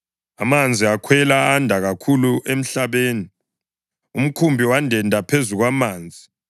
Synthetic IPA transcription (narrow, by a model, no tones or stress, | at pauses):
amand͡zʱiakʰwɛlaːndʱaɣakʰuluʔem̩ɬaβeːni | um̩kʰumbʱiwandʱɛndʱapʰezuɣwamaːnd͡zʱi